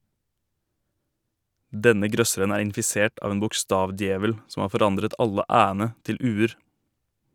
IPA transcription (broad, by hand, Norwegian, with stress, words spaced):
ˈdɛnə ˈɡɾœsəɾən ˈæːɾ ɪnfɪˈseːʈ ˈɑːʋ ˈeːn bʊkˈstɑːʋˌdjeːʋəl ˈsɔm ˈɑː fɔˈɾɑndɾət ˈɑlə ˈʔæːənə ˈtɪl ˈʔʉːəɾ